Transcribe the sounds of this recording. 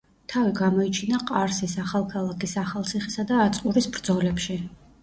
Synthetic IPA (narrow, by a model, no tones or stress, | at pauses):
t̪ʰaviɡamɔit͡ʃʰinaqʼaɾsisaχalˠkʰalˠakʰisaχalˠt̪sʰiχisad̪aːt̪sʼqʼuɾisbɾd̪zɔlɛpʃi